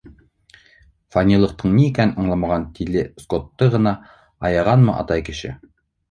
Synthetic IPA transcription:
fanʲilˠɤ̆q̚t̪ɤɴnʲiikʲænnɑ̆ɴlˠɑmɑʁɑnt̪ʰilɘskot̪ːɤʁɤ̆nɑ | ɑjɑʁɑnmɤ̰ʔɑ̰t̪ɑjkɘ̆ʃɘ̰

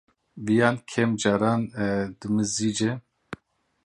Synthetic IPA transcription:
vijaːnkʰɛmd͡ʒaːɾaːnd̪ɨmɨzid͡ʒɛ

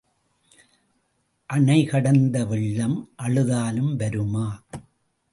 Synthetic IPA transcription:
ʔɐɳɐɪkɐɽɐnd̪ɐʋɪɭːɐmʔɐɭɯðaːlɯmʋɐɾɯmaː

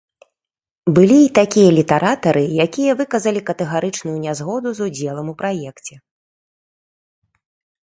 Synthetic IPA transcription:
bɨlʲiːt̪akʲijɐlʲit̪ɛɾʔat̪ɐɾɨjakʲijɐvɨkɐzɐlʲikɐt̪ɛɣaɾʔɨt͡ʂnujunʲazɣɔd̪uzud͡zʲɛlˠɐmupɾajɛkt͡sʲɛ

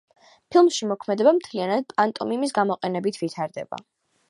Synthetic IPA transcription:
pʰilˠmʃimɔkʰmɛd̪ɛbamt̪ʰlianad̪̥̚pʼant̪ʼɔmimis̬ɡamɔqʼɛnɛbit̪ʰvit̪ʰaɾd̪ɛ̰ba̰

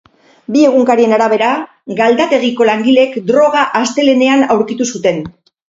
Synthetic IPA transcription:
bie̞ɣ̞uŋkaɾie̞naɾaβ̞e̞ɾa | ɡald̪at̪e̞ɣ̞iko̞laŋɡile̞kd̪ɾo̞ɣ̞aʔast̪e̞le̞ne̞anawɾkit̪usut̪e̞n

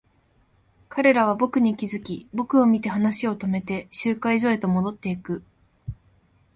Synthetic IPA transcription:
kʰaɾe̞ɾaβ̞abo̞kɯ̟ɲ̟ikʲizɨkʲibo̞kɯ̟o̞mʲit̪e̞ɦanaɕio̞t̪o̞me̞t̪e̞ɕɨːkaizo̞e̞t̪o̞mo̞d̪o̞t̪ːe̞ikɯ̟

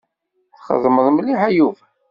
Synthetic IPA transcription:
θχə̰ðˤməðˤməliħæjuv

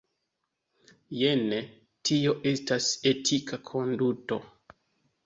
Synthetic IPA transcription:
jene | tʰio̞ʔe̞stasetʰikakʰo̞nduto̞

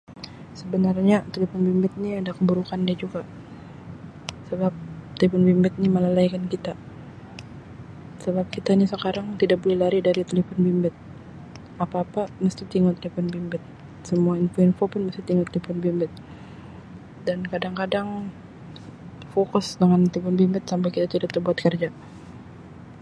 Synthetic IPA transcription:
səbənarɲat̪eləfɔnbimbɪt̪̚niadakəbuɾukandiad͡ʒuɡa | səbap̚t̪eləfɔnbimbɪt̪̚niməlalaikankit̪a | səbap̚kit̪ainisəkaɾaŋt̪idak̚bolɛhlaɾidaɾit̪ələfɔnbimbɪt̪̚ | apaːpaməst̪it̪iŋʊt̪ːlifɔnbimbɛt̪̚ | səmuainfuɪnfopʊnməst̪it̪iŋʊt̪ːlifɔnbimbɛt̪̚ | dankadaŋkadaŋ | fokʊsdəŋant̪ipʊnbimbɛt̪̚sampɛkit̪at̪idapt̪ːəbuat̪̚kərd͡ʒa

